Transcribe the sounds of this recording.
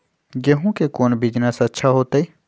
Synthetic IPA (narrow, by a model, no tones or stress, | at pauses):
jeɦũkekoːnbiːd͡ʒnasɐtːʃʰaɦoːt̪ai